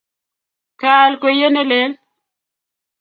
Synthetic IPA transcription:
ka˨lkwe˨je˦ne˦le˨˦l

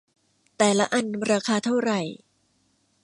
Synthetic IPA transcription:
t̪ɛː˨˩la˦˥ʔa˨˧˩nɾaː˧kʰaː˧t̪ʰa˥˩wɾa˨˩j

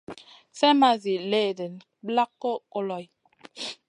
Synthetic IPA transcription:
sɛ˦ma˦zi˨leː˦˨de˨n | bla˦kːo˦ko˦lɔ˨j

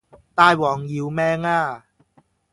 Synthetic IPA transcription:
t̪aː˧jwɔː˨˩ŋji˧wmɛː˧˥ŋaː˧˩

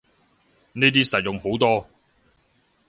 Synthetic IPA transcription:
neː˥t̪̬iː˥sɐ˨t̚jʊ˨ŋho˨˥wt̪ɔː˥

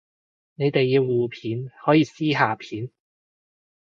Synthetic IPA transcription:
ne˨˧jt̪e˨jːiː˨˧wːuː˨pʰiː˨˥nhɔː˨˥jiː˧siː˥ɦaː˨˧pʰiː˨˥n

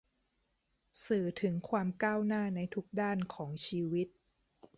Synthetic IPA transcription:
sɯː˨˩t̪ʰɯ˩˦ŋkʰwaː˧mkaː˥˩wnaː˥˩na˧jt̪ʰu˦˥k̚daː˥˩nkʰɔː˩˦ŋt͡ɕʰiː˧wi˦˥t̪̚

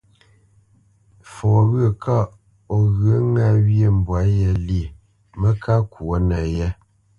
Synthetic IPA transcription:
fɔ˨ɣə˦˨kʰa˦ | ɔ˨ɣə˨˦ŋa˦˨wje˦˨m̩˨bwa˨˦jɛ˨li˦˨ | mə˦kʰa˦ku˨o˦nə˨jɛ˦

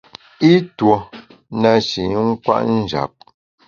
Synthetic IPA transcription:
i˦two˨ | na˨ʃi˨˦ŋ̩˦kwa̰˦ʔn̩˦d͡ʒa̰˨p̚

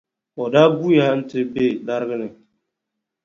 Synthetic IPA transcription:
ɔ˨da˦ɡu˦ja˦n̩˦tɪ˦be˦˨la˦ɾɣə˦nɨ˨

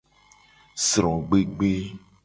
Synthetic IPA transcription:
sɾɔ̃˨ɡ͡be˦ɡ͡be˦

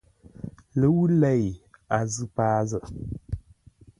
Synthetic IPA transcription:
lə˨˦wu˦lɛ˦˨ja˨zɨ˦paː˦zə˨ʔ

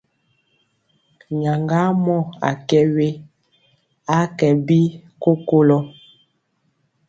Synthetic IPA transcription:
ɲa˨ŋɡa˦mɔ˦˨a̰˨kɛ˦we˦ | a˦kɛ˨bi˦ko˦ko˦lɔ˦

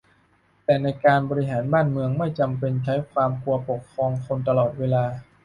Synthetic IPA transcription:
t̪ɛː˨˩na˧jkaː˧nbɔː˧ɾi˦˥ɦaː˩˦nbaː˥˩nmɯ˧əŋma˥˩jt͡ɕa˧mpe˧nt͡ɕʰa˦˥jkʰwaː˧mku˧ɐpo˨˩kʰːɾɔː˧ŋkʰo˧nt̪̬a˧lɔː˨˩t̪̚weː˧laː˧

